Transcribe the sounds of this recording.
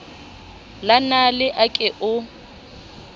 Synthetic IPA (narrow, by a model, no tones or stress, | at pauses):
lanalɪʔakʼɪʔʊ